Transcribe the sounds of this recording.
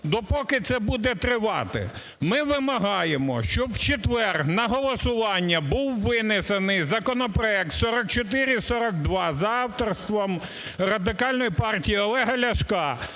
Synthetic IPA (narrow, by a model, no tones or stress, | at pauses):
d̪ɔpɔkɪt̪sɛbud̪ɛt̪ɾɪʋɑ̰t̪ɪ̰ | mɪʋɪmɐɦɑjemɔ̰ʃt͡ʃɔwt͡ʃet̪ʋɛrnɐɦɔlˠɔsʊʋɑnʲːɐbuwːɪnɪsenɪjzɐkɔnɔpɾɔɛk̚t̪sɔɾɐk̚t͡ʃɔt̪̬ɪɾʲɪsɔɾɐkd̪ʋɑzɐɑwt̪ɔrst̪ʋɔm | rɐd̪ɪkɑlʲnɔjipɑrtʲijiɔlˠɛɦɐlʲɐʃkɑ